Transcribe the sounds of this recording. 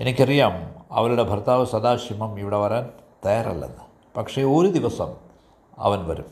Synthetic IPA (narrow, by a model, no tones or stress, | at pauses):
e̞nikʲːɐrijaːmɐ̰ʋɐluɽe̞bʱɐrt̪aːʋɐsɐd̪aːɕimɐmiʋiɽeʋɐɾaːnt̪ɐjaːrɐ̰lːḛnːɨ | pɐkʂe̞o̞ːɾud̪iʋɐsɐm | ɐ̰ʋɐnʋɐ̰ɾum